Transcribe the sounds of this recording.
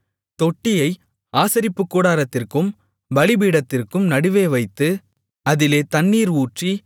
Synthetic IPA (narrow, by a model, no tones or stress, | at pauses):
t̪ɔʈːɪjɐɪ | aːsɐɾɪpːɯkːuːɽaːɾɐt̪ːɪrkɯm | ʋɐɭɪbiːɽɐt̪ːɪrkɯmnɐɽɯʋeːʋɐɪt̪ːɯ | ɐðɪleːt̪ɐɳːiːɾuːʈri